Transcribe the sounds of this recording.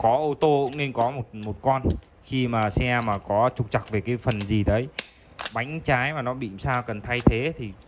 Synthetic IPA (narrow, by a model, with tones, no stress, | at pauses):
kɔ˨˦ʔo˧t̪o˧kʊ̰˧˥ŋ͡mne˧nkɔ˨˦mo˨˩t̚mo˨˩t̚kɔ˧n | xi˧maː˨˩sɛ˧aː˧maː˨˩kɔ˨˦t͡ɕʊ˨˩k͡p̚t͡ɕa˨˩k̚ve˨˩kaː˨˦jfə˨˩nzi˨˩t̪əː˨˦j | ɓa˨˦jŋ̟t͡ɕaː˨˦jmaː˨˩nɔ˨˦ɓḭ˧˨msaː˧wkə˨˩nt̪ʰa˧jt̪ʰe˨˦t̪ʰi˨˩